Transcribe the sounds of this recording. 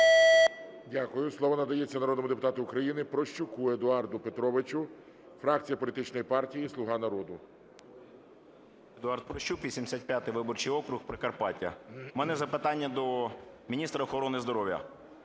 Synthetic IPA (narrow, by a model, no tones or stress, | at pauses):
dʲakʊjʊslˠɔʋɔnɐd̪ɐjet͡sʲːɐnɐɾɔd̪nmʊd̪epʊt̪ɑt̪ʊːkɾɐjinɪpɾɔʃt͡ʃʊkued̪ʊɑrd̪ʊpet̪ɾɔʋɪt͡ʃʊ | fɾɑk̚t͡sʲijɐpɔlʲit̪ɪt͡ʃnɔjipɑrtʲijislˠʊɦɑnɐɾɔd̪ʊ | ed̪ʊɑrt̪̚pɾɔʃt͡ʃukʋʲisʲimd̪esʲat̪̚ʲpʲjat̪ɪʋɪbɔrt͡ʃɪjɔkɾʊxpɾɪkɐrpɑtʲɐ̰mɛnɛzɐpɪt̪ɑnʲːɐd̪ɔ | mʲinʲist̪ɾɐɔxɔɾɔnɪzd̪ɔɾɔwjɐ̰